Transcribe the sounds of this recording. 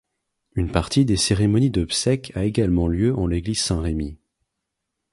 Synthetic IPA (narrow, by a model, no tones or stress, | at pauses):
ynpaʁt̪id̪eseʁemɔnid̪ɔbsɛkʰaeɡalmɑ̃ljøʔɑ̃leɡliz̥sɛ̃ʁemi